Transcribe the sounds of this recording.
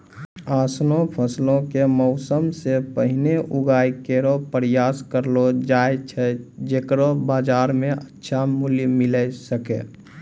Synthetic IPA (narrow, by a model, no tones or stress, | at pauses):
aːsnõpʰəslõkemɔʊsəmsepəɦɪneʔuɡaːikeɾopɾjaːskəɾlod͡ʒaet͡ʃʰɛd͡ʒeːkɾobaːd͡ʒaːɾmẽʔətːʃʰamuljmɪləsəkḛ